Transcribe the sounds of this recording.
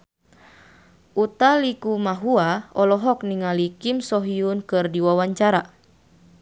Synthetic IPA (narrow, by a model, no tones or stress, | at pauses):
ʔut̪alikumaɦuaɔlɔɦɔkniŋalikimsɔɦiunkɨrdiwawaɲt͡ʃaɾa